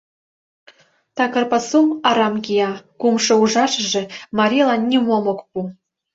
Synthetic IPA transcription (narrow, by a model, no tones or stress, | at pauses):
t̪ɑkɤ̆rpɑsumɑɾɑmkʲijɑkumʂɤ̆uʐɑʂɤ̆ʐɘ̆mɑɾʲilˠɑnːʲimomokpu